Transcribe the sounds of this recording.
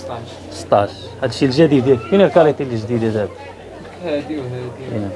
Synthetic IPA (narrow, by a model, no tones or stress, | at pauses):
sə̥t̪ˤːɑʃ | hæd̪ʃilʒæd̪id̪ækunilkɑɾˤit̪iləʒd̪id̪æd̪æb | hæd̪iwɦæd̪iḭnæ